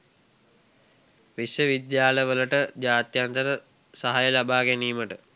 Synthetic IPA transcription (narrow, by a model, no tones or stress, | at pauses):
ʋisjəʋid̪jaːləʋələʈəd͡ʑaːt̪jant̪əɾə | saɦajəlabaːɡæniːməʈə